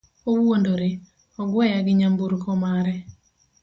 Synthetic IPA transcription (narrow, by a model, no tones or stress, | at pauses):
owwondoɾe | ɔɡwɛjaɡɪɲambuɾkɔmaɾɛ